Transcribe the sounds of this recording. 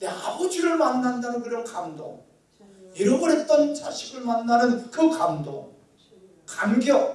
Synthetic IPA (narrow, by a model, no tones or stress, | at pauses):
ndeabud͡ʑiɾɯɭmanːandanɯnkɯɾʌnkamdo̰ŋ | iɾʌɡɯɾɦe̞t̚t͈ʌnt͡ɕaɕʰiɡɯɭmanːanɯnkɯkamdo̰ŋ | kanɡjʌ